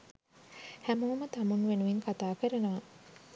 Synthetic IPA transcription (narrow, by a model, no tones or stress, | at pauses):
hæmuʋmət̪amunʋenuʋiŋkat̪aːkəɾenəʋa